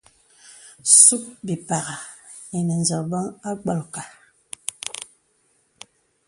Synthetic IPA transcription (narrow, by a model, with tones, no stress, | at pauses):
su˦k̚bi˨pa˨ɣa˨ | i˨nə˨n˨zə˨bə˦ŋa˦k͡pə˨lka˨